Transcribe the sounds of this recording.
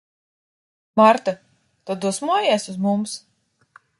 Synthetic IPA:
maɾt̪a | t̪ɔd̪uɔsmuɔjɛɛsuzmums

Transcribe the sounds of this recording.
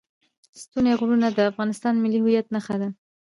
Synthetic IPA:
st̪uneɣʊɾunad̪əafɣɑnɪst̪ɑnmɪlihʊjat̪naxad̪a

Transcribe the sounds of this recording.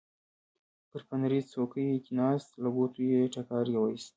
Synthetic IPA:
pəɾpanɾizt͡sokəjekʲinɑst̪laɡot̪ujeʈakɑɾjawaist̪

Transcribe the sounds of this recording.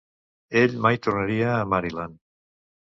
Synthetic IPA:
eʎmajt̪oɾnaɾiaːmaɾilan

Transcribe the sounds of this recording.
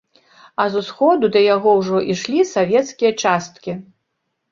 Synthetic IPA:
ɐzusxɔd̪ud̪ɐjaɣɔwʐɔʔiʂlʲisavʲɛt̪skʲijɐt͡ʂast̪kʲi

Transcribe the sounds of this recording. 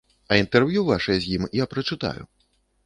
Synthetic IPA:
ɐint̪ɛrvjuvaʂɐjɛzʲjimjapɾɐt͡ʂɨt̪a̰jṵ

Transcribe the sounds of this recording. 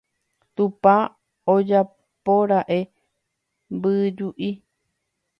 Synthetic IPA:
t̪upa | od͡ʒa | poɾaʔe̞ | mbɨd͡ʒuʔi

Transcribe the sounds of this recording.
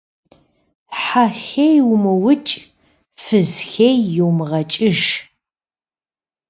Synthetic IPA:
ħaxejwmɨwʊt͡ʃʼ | fɨzxejːɪwmɨʁɐt͡ʃʼɪʒ

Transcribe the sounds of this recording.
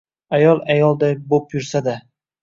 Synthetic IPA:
ajɒlˠajɒlˠd̪ajbopjʊɾsad̪a

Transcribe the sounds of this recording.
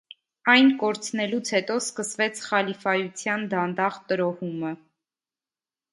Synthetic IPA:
ɑjnkɔɾt͡sʰnɛlut͡sʰhɛt̪ɔskəsvɛt͡sʰχɑlifɑjut͡sʰjɑnd̪ɑnd̪ɑʁt̪əɾɔhumə

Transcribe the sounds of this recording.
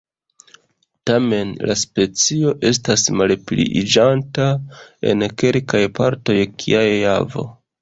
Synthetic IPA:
tame̞nlaspe̞t͡sio̞ʔe̞s̬tasmalplḭid͡ʒantae̞̰nke̞lkajpa̰ɾto̞jkʰḭajavo̞̰

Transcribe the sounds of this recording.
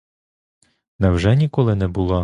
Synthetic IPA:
nɛwʒɛnʲikɔlˠɪnɛbʊlˠɔ

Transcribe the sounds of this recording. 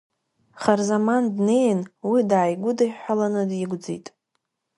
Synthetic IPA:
χarzamandne̞jnwidaːjɡʷʊdajħʷᶣalanɨdjɪɡʷd͡zḛjtʼ

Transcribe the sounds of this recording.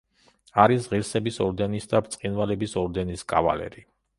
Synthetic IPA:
aɾisʁiɾsɛbisɔɾd̪ɛnisd̪abt̪sʼqʼinvalɛbisɔɾd̪ɛniskʼa̰va̰lɛ̰ɾi

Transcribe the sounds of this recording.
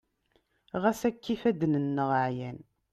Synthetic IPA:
ʁæsækːifæd̪nənːəʁəʕjæn

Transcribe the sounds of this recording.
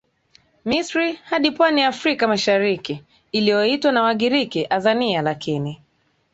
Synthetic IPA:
misɾihaɗipwaniafɾikamaʃaɾikiː | lijɔitwanawaɠiɾikiʔazanialakʰini

